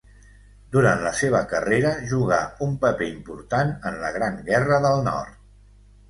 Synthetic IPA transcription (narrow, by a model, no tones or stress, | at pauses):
d̪uɾant̪ləseβ̞əkəreɾəʒuɣaumpəpeimpuɾt̪anənləɣ̞ɾaŋɡɛrəðəlˠnɔ̰rt̪